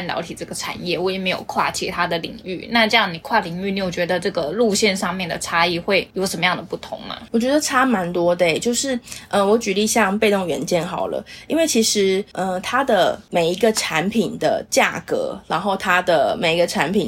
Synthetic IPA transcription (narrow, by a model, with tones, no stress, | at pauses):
nljɑ˧˥ʊt̪ʰi˨˩ʈ͡ʂɤ˥˩ɡə˩ʈ͡ʂʰa̰˨˩njɛ˥˩wɔ˨˦je˨˩me˧˥ɪjo̰˨˩ʊkʰwa̰˥˩t͡ɕʰḭ˧˥t̪ʰa˥d̪ə˨lḭ˨˩ŋy̰˥˩na˥˧ʈ͡ʂɤ˥˧jɑ˥˩ŋni˨˩kʰwa˥˩li˨˩ŋy˥˩ni˧˥jo˨˩t͡ɕɥɛ˧˥d̪ə˧ʈ͡ʂɤ˥˩ɡə˩lu˥˧ɕjɛ˥˧nʂɑ˥˧ŋmjɛ˥˩nd̪ə̰˩ʈ͡ʂʰa˥i˥˧xwe˥˩ɪjo˧˥ʂə˧˥mə˧jɑ˥˩ŋd̪ə˩pu˥˩t̪ʰʊ̰˧˥ŋnə̰˧˦wɔ˨˩t͡ɕɥɛ˧˥d̪ə˧ʈ͡ʂʰa˥ma˧˦˥nt̪wɔ˥d̪e˥˧˩ɪt͡ɕjo˥˧ʊʂɻ̩˥˩ə˧wɔ˧˥t͡ɕy˨li˥˧ɕjɑ˥˧ŋpe˥˧ɪt̪o˥˧˩ŋɥɛ̰˧˥nt͡ɕjɛ˥˩nxɑ˨˩ʊlə̰˦ḭ˥nwe˥˩ɪt͡ɕʰi˧˥ʂɻ̩˧˥ə˧t̪ʰa˥d̪ə˨me˨˩ɪi˧˥ɡə˧ʈ͡ʂʰa˧˥npʰi˨˩nd̪ə̰˦t͡ɕja̰˥˩kɤ̰˧˥ɻa˧˥nxo˥˩ʊt̪ʰa˥d̪ə˨me˨˩ɪi˧˥ɡə˧ʈ͡ʂʰa˧˦˥npʰi˨˩n